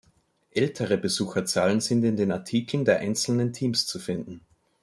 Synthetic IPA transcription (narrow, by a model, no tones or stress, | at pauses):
ʔɛltʰəʁəbəzuːxɐt͡saːlənzɪntɪndeːnaɐtʰiːkʰl̩n̩deːɐʔaɪnt͡sl̩nəntʰiːmst͡sufɪndn̩